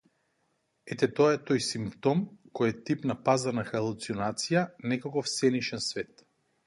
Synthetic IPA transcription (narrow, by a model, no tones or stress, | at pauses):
ɛt̪ɛt̪ɔaɛt̪ɔjsimpt̪ɔmkɔjɛt̪ipnapazanaxalˠut̪siɔnat̪sijanɛkɔkɔfsɛniʃɛnsvɛt̪